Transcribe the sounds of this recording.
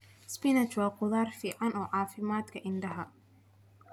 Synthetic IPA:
spɪnɐt͡ʃwɑːqʊðaːrfiːʕɑnɔːʕɑːfɪmaːd̪kʰɐʔɪnɖɐɦɐ

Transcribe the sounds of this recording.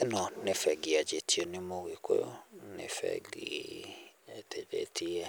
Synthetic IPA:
ɛnɔnefɛɡiad͡ʒetʰionemoɣeko̰jonḛfɛ̰ɡi | eted͡ʒḛtʰia

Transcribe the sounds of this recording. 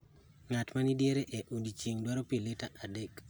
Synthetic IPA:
ŋatmanidjeɾeʔɛʔundit͡ʃeŋdwaɾopiletaʔadek

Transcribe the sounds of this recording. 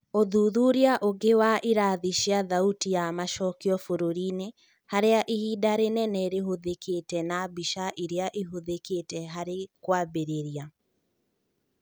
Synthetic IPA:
oðuðuɾiaʔoɡewaʔiɾaːðiʃiaðautijamaʃɔkiɔfoɾoɾine | haɾeaʔihiːdaɾenɛnɛɾeɦoðeketɛnabiʃaʔiɾeaʔiɦoðeketɛɦaɾekwaːbeɾeɾia

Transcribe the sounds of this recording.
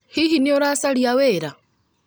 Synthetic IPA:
hihinioɾasaɾijaweɾa

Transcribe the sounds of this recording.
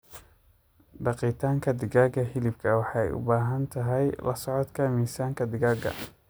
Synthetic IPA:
ɖɑqiːt̪ʰaːŋkʰɐd̪ɪɣaːɡɐɦɪlɪbkʰɐwɑħɑɛjʊ̰baːɦɐnt̪ʰɐɦɛjlɐ̰sɔʕɔt̪kʰɐmiːsaːŋkʰɐd̪ɪɣaːɡɐ̰

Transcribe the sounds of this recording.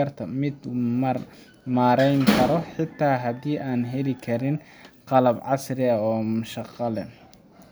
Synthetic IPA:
ɐrt̪ʰɐmɪd̪ | maːɾɛjŋkʰɐɾɔħɪt̪ʰːaːɦɐdiːʔaːnɦɛlɪkʰɐɾɪn | qɑlɐbʕɑsrɪɐɔːmʊʃɑqɑlɛn

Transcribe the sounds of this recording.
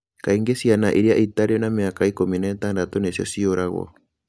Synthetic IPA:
kaiŋɡesianaʔiɾiaʔitaɾenameakaikominataːndatɔnesjɔ̰sioɾaɣwɔ̰

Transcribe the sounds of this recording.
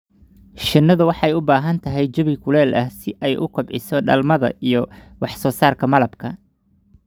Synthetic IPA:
ʃɪnːɐðʊwɑħɑɛjʊbaːɦɐnt̪ʰɐɦɛjt͡ʃɐβɪkʰʊlɛːlʔɐhsɪʔɛjʔʊkʰɐbʕɪsɔɖɐlmɐðɐ̰ijɞ | wɑħsɔːsaːrkʰɐmɐlɐbkʰɐ

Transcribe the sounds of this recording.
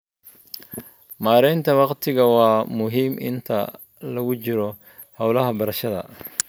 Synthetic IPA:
maːɾɛjnt̪ʰɐwɑqt̪ʰɪɣɐwɑːmʊɦiːmʔɪ̰nt̪ʰɐ | lɐɣʊt͡ʃɪɾɔ | hɐwlɐɦɐbɐɾɐʃɐðɐ̰

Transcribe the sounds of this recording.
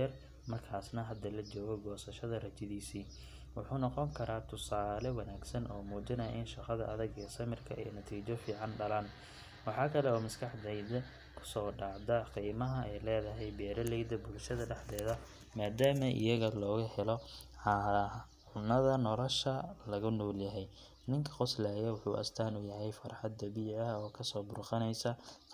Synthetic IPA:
ɐr | mɐrkʰaːsnɐɦɐd̪ɐlɐt͡ʃɔːɣɔɡɔːsɐʃɐðɐrɐt͡ʃɪðiːsiː | wʊħuːnɔqɔŋkʰɐɾʔaːt̪ʰʊsaːlɛwɐnaːɡsɐnʔɔːmuːt͡ʃɐnɐja̰ʔɪnʃɑqɐðɐʔɐðɐɡɛːsɐmɪrkʰɐɛ̰jnɐt̪ʰiːt͡ʃɔfiːʕɑnɖɐlaːn | wɑħɑːkʰɐlɛɔːmɐskʰɐħd̪ɛjd̪ɛ | kʰʊ̥sɔːɖɑːʕd̪ɐqiːmɐɦɐʔɛjlɛːðɐɦɛjbɛːɾɐlɛjd̪ɐbʊlʃɐðɐɖɛħd̪ɛːðɐ | maːd̪aːmɐʔɪ̰jɐɣɐlɔːɣɐhɛlɔ | ʕɑ | ʕʊnːɐðɐnɔlɔʃɐlɐɣʊnɔːljɐɦɛj | nɪŋkʰɐ̥qʊslaːjɐwʊħṵːʔɐ̰st̪ʰaːnʊjɐɦɛjfɐrħɑd̪ːɐβiːʕɐɔːkʰɐsɔːbʊrqɑnɛjsɐ

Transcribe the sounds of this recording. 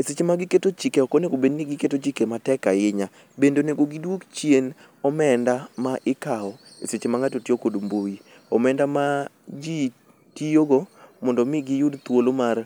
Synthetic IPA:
eset͡ʃemaɡɪketot͡ʃikeɔkoneɡobedniɡɪketot͡ʃikematɛkajɪɲa | bendoneɡoɡidwokt͡ʃjen | ɔmɛndamaʔɪkaɔ | eset͡ʃemaŋatotiokodmboi | ɔmɛndama | d͡ʒi | tioɡomɔndɔmɪɡɪjudt̪wolomar

